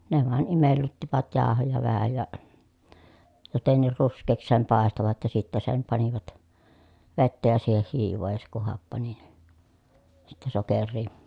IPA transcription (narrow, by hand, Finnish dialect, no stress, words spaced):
ne ʋɑˑen imelːytːiʋæt jɑːhojɑ ʋæhæ jɑ jotenːiːr ruskˑeːks sem pɑˑestoʋɑt jɑ sitːæ sem pɑniʋɑt ʋetːæ jɑ siːheh hiːʋoː jɑ se kuh hɑpːɑni ni sitːɛ sokerˑiː